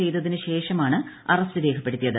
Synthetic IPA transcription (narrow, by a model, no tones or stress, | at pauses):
ejtðɐðinɨɕe̞ːʂɐmaːɳɨ | ɐrɐstɨɾe̞ːkʰɐpːe̞ɽut̪ːijɐðɨ